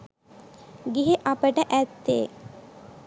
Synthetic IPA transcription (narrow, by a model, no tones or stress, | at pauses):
ɡiɦeʔapəʈəʔæt̪ːḛː